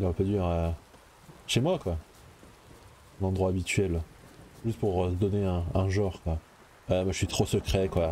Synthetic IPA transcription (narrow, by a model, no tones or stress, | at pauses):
lɔʁɛpad̪yɛʁɛ | ʃemwakwa | ɛ̃nɑ̃d̪ʁwaːbit̪ɥɛlʒyst̪puʁsəd̪ɔneɛ̃ɛ̃ʒɑ̃ʁkwa | wɛmaʒəsɥit̪χosəkχɛkwa